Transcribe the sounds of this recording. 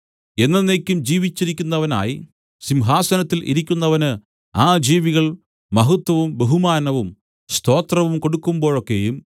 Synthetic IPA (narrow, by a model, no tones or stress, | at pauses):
e̞nːɐnːekʲːumd͡ʑiːʋit͡ɕːiɾikʲːunːɐʋɐna̰ːji | simɦaːsɐnɐt̪ːilʔḭɾikʲːunːɐʋɐnɨ | aːd͡ʑiːʋiɣɐɭ | mɐɦut̪wɐʋumbeɦumaːnɐʋum | st̪ʰo̞ːt̪rɐʋumko̞ɽukːumbo̞ːɻokːejum